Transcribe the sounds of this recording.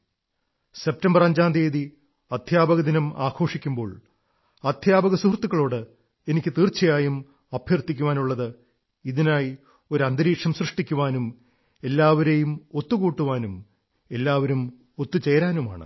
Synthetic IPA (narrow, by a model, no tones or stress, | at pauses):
se̞p̚tɐmbɐrɐɲd͡ʑaːnd̪eːði | ɐd̪ʱjaːbɐɣɐd̪inɐmaːɡʰo̞ːʂikʲːumbo̞ːɭ | ɐd̪ʱjaːbɐɣɐsuhrt̪ːuɣɐɭo̞ːɽɨ | e̞nikʲːɨt̪iːrt͡ɕːɐjaːjum | ɐbʱjɐrt̪ːikʲːuʋaːnuɭːɐðɨ | iðinaːj | o̞ɾɐnd̪ɐɾiːkʂɐmsrɨʂʈikʲːuʋaːnum | e̞lːaːʋɐɾejumo̞t̪ːukuːʈːuʋaːnum | e̞lːaːʋɐɾum | o̞t̪ːut͡ɕe̞jɾaːnuma̰ːɳɨ̰